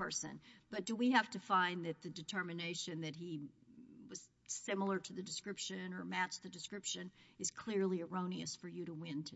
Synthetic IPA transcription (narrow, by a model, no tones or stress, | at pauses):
ɜ˞sɨ̰̃nb̥ʌt̚d̥əwihæftɨfãɪ̃nðɨt̪̚ðɨdɨtʰɜ˞mɨneɪʃɨ̃nðɨt̚ɦi | wʌz̥ | sɪ̃ml̩ˠə˞ɾɨðɨdɨskɹɪpʃɨ̃nə˞mæt͡ʃðɨdɨskɹɪpʃɨ̃nɨz̥kʰl̥ɪɹliə˞õʊ̃niɨ̰sfə˞jɨɾəwɪ̃ntʰɨ